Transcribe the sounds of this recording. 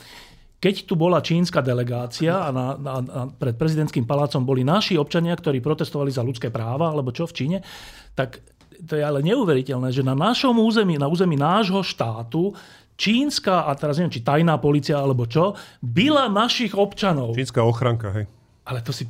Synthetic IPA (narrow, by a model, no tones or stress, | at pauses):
kɛct̪ubɔlat͡ʃiːnskaːd̪ɛlɛɡaːt͡siaːnaaapɾɛt̪̚pɾɛzid̪ɛnt̪kiːmpalaːt͡sɔmbɔlinaʃiɔp̚t͡ʃaɲɪakt̪ɔɾiːpɾɔt̪ɛst̪ɔʋalizalut͡skɛːpɾaːʋaalɛbɔt͡ʃɔft͡ʃiːɲɛ | t̪ak | t̪ɔjɛalɛɲɛuʋɛɾicɛlnɛːʒɛnanaʃɔmuːzɛmiːnauːzɛmiːnaːʒɦɔʃt̪aːt̪u | t͡ʃiːnskaːʔat̪ɛɾazɲɛʋɛmt͡ʃit̪ajnaːpɔliːt͡siaalɛbɔt͡ʃɔbilanaʃiɣɔpt͡ʃanɔʊt͡ʃiːnskaɔxɾaŋka̰ɦɛj | ʔalɛt̪ɔsi